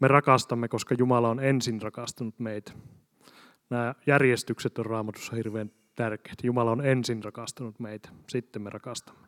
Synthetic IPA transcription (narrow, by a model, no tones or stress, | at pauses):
merɑkɑst̪ɑmːekoskɑjumɑlɑonensinrɑkɑst̪ɑnut̪meit̪æ̥ | næːjærjest̪ykset̪orrɑːmɑt̪u̥sːɑhirʋeːn | t̪ærke̥ːt̪jumɑlɑonensinrɑkɑst̪ɑnut̪meit̪æ̥sit̪ːemːerɑkɑst̪ɑ̥mːe̥